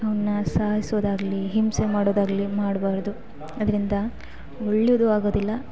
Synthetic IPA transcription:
ɐʋnnːɐsaːɦisod̪aːɡɐliɦimsemaːɽoːd̪aːɡɐlimaːɽbaːɾd̪u | ɐd̪ɐɾind̪ɐ | oɭːjod̪uaːɡo̞ːd̪ilːɐ

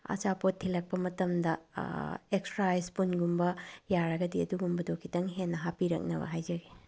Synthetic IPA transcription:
ɐ̰t͡ʃapotʰːilɐk̚pɐmɐtɐmdɐ | eksɾajspunɡumbɐjaɾɐɡɐdiɐduɡumbɐdokʰːitɐŋɦenːɐɦapiɾɐ̰k̚nɐ̰bɐ̰ɦajzɐɡe

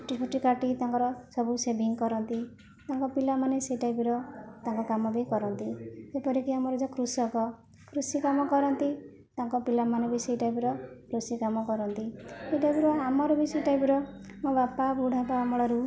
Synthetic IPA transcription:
ʈit͡ʃʰoʈikaʈit̪aŋkɔɾɔsɔbusebʱiŋkɔɾɔnt̪i | t̪aŋkɔpilamanesejʈajbiɾɔt̪aŋkɔkamɔbʱikɔɾɔnt̪iepɔɾikiamɔɾɔd͡ʒɔkɾusɔkɔ | kʰɾusikamɔkɔɾɔnt̪i | t̪aŋkɔpilamanebʱiseiʈajpiɾɔkɾusikamɔkɔɾɔnt̪ieʈajbiɾɔamɔɾɔbiseiʈajpiɾɔmõbapabuɽ̤ʱabaːmɔɭɔɾu

